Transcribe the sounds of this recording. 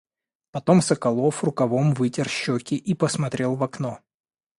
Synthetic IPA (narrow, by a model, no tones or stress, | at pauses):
pɐt̪omsəkɐlˠofrʊkɐvomvɨtʲɪrɕːokʲɪʔipəsmɐt̪ɾʲe̞lˠvɐkno